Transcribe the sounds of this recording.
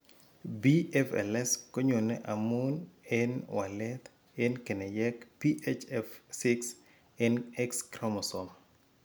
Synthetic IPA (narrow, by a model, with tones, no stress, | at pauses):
bi˦ɛfɛ̰˨lɛ˦sko˦ɲo˨neʔa˨mu˦nɛnwa˨lɛt̪ | ɛ˦nke˨ne˨jɛkpi˦ʔet͡ʃɛfsi˦ks | ɛnɛ˦kskɾɔmɔ˨sɔm